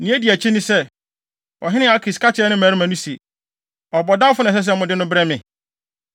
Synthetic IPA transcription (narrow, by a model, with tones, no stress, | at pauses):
nĩ˦æ˦di˨æ˨t͡ɕʰi˦nĩ˦sɛ˦ | ɔ̰˨ɦɪ̃˦nɪ̃˦a˨˦kʰɾi˨skʰa˦t͡ɕʰɪ˨˦ɛ˦nɪ̃˦mæː˨ɾi˦mã˨nũ˦sie˨ | ɔ˨bɔ˨da˦fʊ˦nɛ̃˨s̬ɛ˦s̬ɛ˦mʊ̃˨dɪ˦nʊ̃˦bɾɛ˦mɪ̃˨